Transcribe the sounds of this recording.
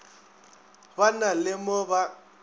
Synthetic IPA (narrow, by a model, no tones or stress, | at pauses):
banalɪmɔba